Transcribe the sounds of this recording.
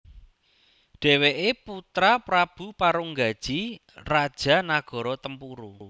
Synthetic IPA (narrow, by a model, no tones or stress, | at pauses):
ɖ̥ɛ̤weʔeput̪ɾapɾab̥ṳpaɾuŋɡad̥ʒ̥i | rad̥ʒ̥a̤naɡ̥ɔ̤ɾɔt̪əmpuɾu